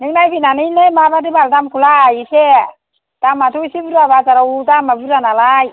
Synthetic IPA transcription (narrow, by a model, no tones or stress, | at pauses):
niknajbinanijnemabadibaldamkulajse | tamatʰujsibuɾaβazaɾautamabuɾanalaj